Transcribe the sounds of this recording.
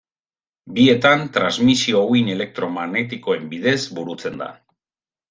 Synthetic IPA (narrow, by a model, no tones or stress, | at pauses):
bie̞t̪ant̪ɾazmisioine̞le̞k̚t̪ɾo̞maɣne̞t̪iko̞e̞mbiðe̞zbuɾut͡se̞nd̪a̰